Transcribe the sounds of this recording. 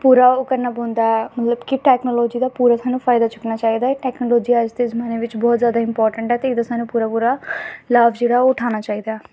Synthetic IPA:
puːɾaːokəɾnaːbɔ̃ːnd̪aːɛmət̪ləbkɪʈɛːknoːlɔːd͡ʒiːd̪aːpuːɾaːsaːnũːpʰaːɪd̪aːt͡ʃʊknaːt͡ʃaːiːd̪aːɛːʈɛːknoːlɔːd͡ʒiːaːd͡ʒd̪eːzəmaːneːʋɪt͡ʃbɔːt̪zjaːd̪aːɪmpɔːɾʈəɳʈɛːt̪eːɪd̪asaːnũːpuːɾaːpuːɾaːlaːʋd͡ʒeːɽaːʊʈʰaːnaːt͡ʃaːiːd̪aːɛ

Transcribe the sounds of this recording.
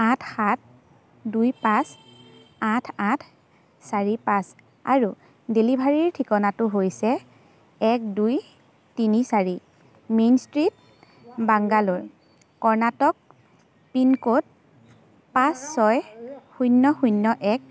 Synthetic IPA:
ãtʰxat̚ʰ | dujpãs | atʰãtʰ | saɹipãs | a̰ɹu | delibʱaɹiɹtʰikɔnatʊɦojsɛ | ɛk̚duj | tinisaɹi | menstɹit̚ | baŋɡaloɹ | kɔɹnatɔk̚ | pinkot̚ | pãsːɔjxujnːɔxunːɔʔɛk̚

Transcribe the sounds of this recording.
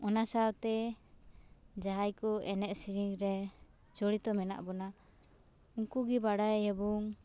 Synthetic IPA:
ɔnasaabt̪ɛ | d͡ʒaɦajkɔɛnɛʔ̪̚siɾiŋɾɛ | t͡ʃɔɽit̪ɔmɛna̰ʔbɔna | uŋkuɡibaɽajhɛbɔŋ

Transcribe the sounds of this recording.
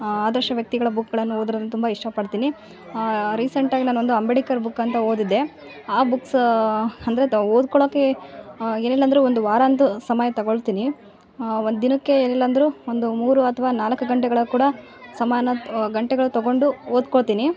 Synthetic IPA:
aːd̪ɐɾʂʃɐʋjɐk̚t̪iɡɐɭɐbukːɡɐɭɐnːuoːd̪ɾɐɐnːut̪umbɐiʂʈɐpɐɽt̪iːni | ɾiːsɐɳʈaːɡinaːnuo̞nd̪uɐmbeɽikɐɾbukːɐnt̪ɐoːd̪id̪ːe̞ | aːbuks | ɐnd̪ɐɾeoːd̪̚kɔɭoːke̞ | eːnilːɐnd̪ɐɾuond̪uʋaːɾaːnt̪usɐmɐjɐt̪ɐɡoɭt̪iːni | ond̪d̪inɐkːe̞eːnilːɐnd̪ɐɾuːond̪umuːɾuɐt̪ʰɐʋaːnaːlɐkːuɡɐɳʈɛɡɐɭɐkuːɽɐ | sɐmaːnɐɡɐɳʈɛɡɐɭut̪ɐɡo̞ɳɖuoːd̪̚koɭt̪iːni

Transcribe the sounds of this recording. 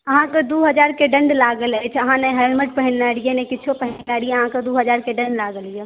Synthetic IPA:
əɦãked̪uɦəd͡ʒaɾkeɖə̃ɳɖlaɡələt͡ʃʰəɦãneɦɛlməʈ̚pəɦinlaɽijenekɪːt͡ʃʰopəɦnlaɽijeəɦãkəd̪uɦəd͡ʒaɾkeɖə̃ɳɖlaɡəlije

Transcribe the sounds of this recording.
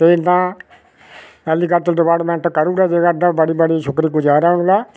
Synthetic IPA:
t̪eːt̪ãː | ɛːliːkəɾt̪əlɖɪpaːɾʈmɛ̃ːɳʈkəɾuːɾɛːd͡ʒeːɡəɾd̪aːbəɽiːbəɽiːʃʰʊkɾiːkʊd͡ʒaːɾaːɦʊ̃nlaː

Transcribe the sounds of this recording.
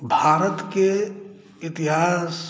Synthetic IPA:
bʱaːɾət̪ke | ɪt̪ɪɦaːs

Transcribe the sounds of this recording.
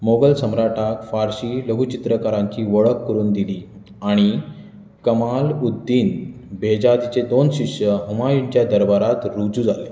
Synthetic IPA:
moɡəlsəmɾaʈʰakfaɾɕiːləɡʱut͡ɕit̪ɾəkaɾãŋkiːʋəɭəkːəɾuːnd̪iliː | aɽ̃i | kəmalud̪ːiːn | bʱed͡ʑad̪it͡sed̪onɕiʂjəɦumajiɳt͡ɕjad̪əɾbaɾat̪ɾud͡zud͡zale

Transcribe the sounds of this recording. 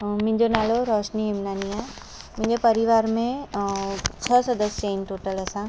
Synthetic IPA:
mɪ̃d͡ʒonaːloɾɔːʃniimnaːnija | mɪ̃ɲd͡ʑepəɾiʋaːɾmẽ | t͡ʃʰəsəd̪əst͡ʃeːnʈoːʈəlɐsã

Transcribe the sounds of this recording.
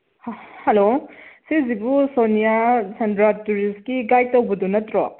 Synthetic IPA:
hɐlosezibusonijasʰendɾatuɾistkiɡajtɐwbɔdunɐtɾɔ

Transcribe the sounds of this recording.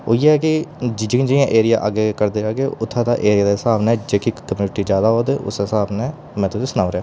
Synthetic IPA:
o̰ːjeːɦɛːkɪd͡ʒd͡ʒɪ̃d͡ʒɪãːʔeːɾɪjaːʔa̰ːɡeːkəɾd̪eːd͡ʒaːɡeːʊt̪ʰːãːd̪aːʔeːɾɪjaːd̪eːɦɪsaːbnɛːd͡ʒeːkiːkəmjuːnɪʈiːd͡ʒjaːd̪aːɦoːd̪eːʔʊ̰sɪsaːbnɛː | mɛ̃ːt̪osisʊnaːʋɾejaː

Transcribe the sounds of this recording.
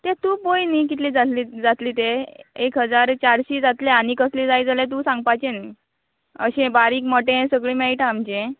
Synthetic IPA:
t̪ẽt̪ũːbojnik̬it̪lid͡zat̪lid͡zat̪liːt̪eekɦəd͡zaɾt͡ɕaɾɕiːd͡zat̪leañikəslid͡zajd͡zalẽt̪̬ũːsãŋɡpajt͡ɕeni | əɕẽbaɾiːkməʈẽsəɡɭiːmaiʈaamt͡ɕẽ

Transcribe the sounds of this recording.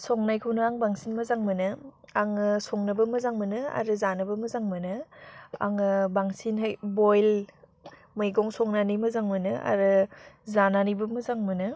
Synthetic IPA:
sɔŋnajkʰɯwnɯaŋbaŋsinmɐzaŋmɯnɯaŋɯsɔŋnɐbɐmɐzaŋmɯnɯa̰ɾɯzanɯbɐmɐzaŋmɯnɯa̰ŋɯbaŋsinɦɯjbojl | mɯjɡɔŋsɔŋnanijmɐzaŋmɯnɯʔa̰ɾɯzananibɐmɐzaŋmɯnɯ

